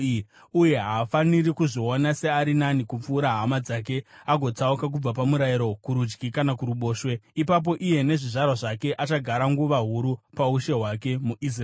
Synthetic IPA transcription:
uje̞ɦaːfanirikuʐoonase̞aɾinanikup͡fuːɾaɦamad͡zak̬e̞aɡʱo̞t͡saukak̬ub͡vapamuɾajiɾo̞kuɾud͡ʒɡikanakuɾuɓo̞ːʃwe̞ipap̬o̞ʔije̞ne̞ʐiʐarwaʐake̞ʔat͡ʃaɡʱaɾaŋɡuʋaɦuɾupauʃe̞ɦwake̞muʔis̬r

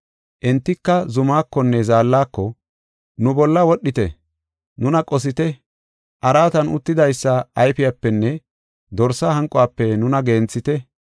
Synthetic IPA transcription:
ʔɛnt̪ːɪkːɐzʊmaːkːɔnːɛzaːlːaːkːɔ | nʊbɔlːɐwɔɗːɪt̪ɛ̰ | nʊnɐkʼɔs̬ɪt̪ɛ | ʔɐɾaːt̪ɐnʊt̪ːɪd̪ɐjsːɐɐjfɪjapːɛnːɛ | d̪ɔɾsɐhɐŋkʼːɔaːpːɛnʊnɐɡeːnt͡sːɪt̪ɛ

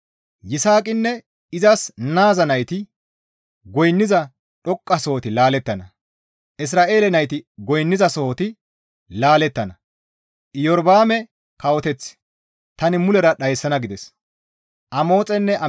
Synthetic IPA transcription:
jɪsaːkʼɪnːɛ | ɪzɐsnaːzɐnɐjt̪ɪ | ɡɔjnːɪzɐ | ɗɔkʼːɐsoːt̪ɪlaːlɛt̪ːɐnɐ | ʔɪs̬ɾaːʔe̞ːlɛnɐjt̪ɪɡɔjnːɪzɐsoːt̪ɪ | laːlɛt̪ːɐnɐ | ʔɪjɔɾbaːmɛ | kɐwɔt̪ɛt͡sː | t̪ɐnɪmʊlɛɾɐɗɐjsːɐnɐɡɪd̪ɛs | ʔɐmo̞ːt͡sʼɛnːɛʔɐ

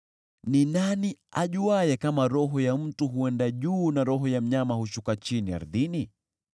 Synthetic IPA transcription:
ninaniaʄuajɛkamaɾɔɦɔjam̩tuɦuɛndaʄuːnaɾɔɦɔjam̩ɲamahuʃukat͡ʃinia̰ɾðini

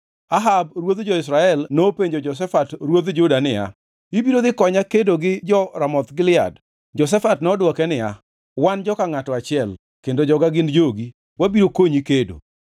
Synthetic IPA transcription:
aɦab̚ɾwod̪d͡ʒɔɪsɾaɛlnopeɲd͡ʒod͡ʒɔs̬ɛfatɾwod̪d͡ʒʊdanɪa̰ | ibiɾod̪ɪkɔɲakedoɡɪd͡ʒɔɾamɔt̪ɡɪlɪa̰d | d͡ʒɔs̬ɛfatnɛɔdwɔkɛnɪa | wand͡ʒɔkaŋatɔat͡ʃɪɛl | kendod͡ʒɔɡaɡɪnd͡ʒoɡi | wabiɾokoɲikedo̰

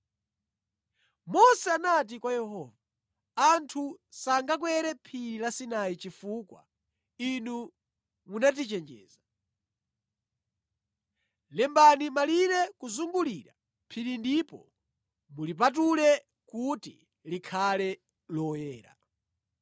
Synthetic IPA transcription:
mɔsɛanat̬ikwajɛhɔːvaː | ntʰusaŋɡak̬wɛɾɛpʰiɾilasinajit͡ʃifuːkwa̰ | inu | munat̬it͡ʃɛnd͡ʒɛ̰ːza | lɛmbanimaliɾɛkuzuŋɡuliɾa | pʰiɾindipɔ̰ | mulip̬at̬ulɛ | kutḭ | likʰalɛ | lɔjɛːɾa̰

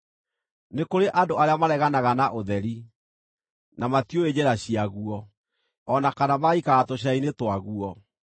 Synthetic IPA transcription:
nekoɾeʔadoaɾeamaɾɛɣanaɣanaʔoðɛɾi | namatioed͡ʑɛɾaɕiaɣuɔ | ɔnakanamaikaɣatoɕ̬ainetwaɣuɔ

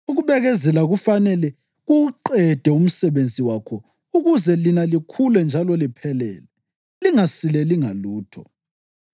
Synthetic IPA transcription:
uɣuβɛɣɛzɛlaɣufanɛlɛ | ɣuǃɛd̥ʱɛum̩sɛβend͡zʱiwakʰɔ | uɣuzɛlinalikʰulɛnd͡ʒʱalɔlipʰɛlɛ̰ːlɛ | liŋasilɛliŋaluːtʰɔ

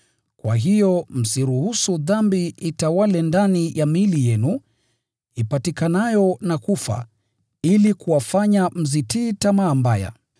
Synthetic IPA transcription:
kwaɦijɔm̩siɾuhusuðambiitawalɛndanijʔamilijɛnu | ipatikanajɔnakufa̰ | ilikuwafaɲam̩zitiːtamaːmbaja̰

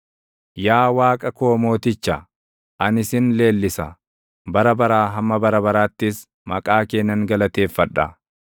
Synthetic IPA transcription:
jaːwaːkʼɐko̞ːmo̞ːt̪ɪt͡ʃːɐ | ʔɐnɪsɪnle̞ːlːɪsɐ | bɐɾɐbɐɾaːɦɐmːɐbɐɾɐbɐɾaːt̪ːɪs | mɐkʼaːke̞ːnːɐŋɡɐlɐt̪e̞ːfːɐᶑɐ̰

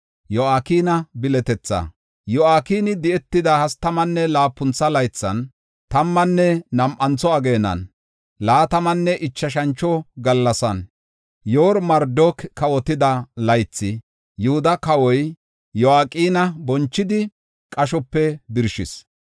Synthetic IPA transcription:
jɔaːkiːnɐbɪlɛt̪ɛt͡sːɐ̰ | jɔaːkiːnɪd̪ɪɛt̪ːɪd̪ɐhɐst̪ɐmɐnːɛlaːpːʊnt͡sːɐlɐjt͡sːɐ̰n | t̪ɐmːɐnːɛnɐmʔɐnt͡sːɔɐɡe̞ːnːɐ̰n | laːt̪ɐmɐnːɛʔɪt͡ʃːɐʃɐnt͡ʃːɔɡɐlːɐsɐn | joːɾmɐɾd̪okkːɐwɔt̪ɪd̪ɐlɐjt͡sːɪ | jʊhʊd̪ɐkɐwɔj | jɔaːkʼiːnɐbɔnt͡ʃːɪd̪ɪ | kʼɐʃɔpːɛbɪɾʃɪ̰s

